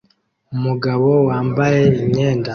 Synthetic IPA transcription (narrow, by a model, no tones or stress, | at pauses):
umuɡaβo̞waːmbaje̞iɲe̞ːnda